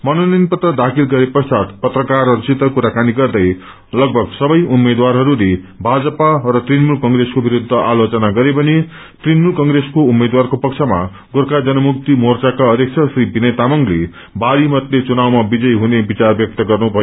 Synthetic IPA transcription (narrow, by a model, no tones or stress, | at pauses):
mʌnoninpʌt̪rʌd̪akʰilɡʌɾepʌst͡ʃat̪pʌt̪rʌkarʌrisit̪ːʌkuɾakaniɡʌrd̪ʌj | lʌɡ̚bʱʌɡsʌbʌjʔumːed̪warɦʌɾule | bʱad͡zʌparʌt̪rinmulkʌŋɡreskobiɾud̪ʱːʌʔalot͡sʌnaɡʌɾepʌni | t̪rinmulkʌŋreskoumed̪warkopʌkt͡sʰʌma̰ | ɡorkad͡zʌnʌmuk̚t̪imort͡sakaʌd̪jek̚t͡sʰʌsribinʌjt̪amʌŋɡle | baɾimʌt̪let͡sunawmabid͡zʌjɦunebit͡sarbjʌk̚t̪ʌɡʌrnubʱʌjo